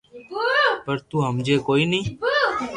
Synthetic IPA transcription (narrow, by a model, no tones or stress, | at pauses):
pəɾt̪ũːɦəmd͡ʒeːkoːiːnĩː